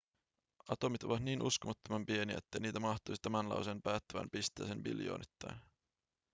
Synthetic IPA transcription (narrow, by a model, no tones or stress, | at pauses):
ɑt̪o̞mit̪o̞ʋɑt̪niːnʔṵskomɑt̪ːomɑmpie̞nḭḛt̪ːejniːt̪æmɑht̪ˑojsit̪æmænlɑ̰wsenpæːt̪ːøʋæ̰mpist̪ˑæːsenʋḭljo̞̰ːnʔit̪ːæjn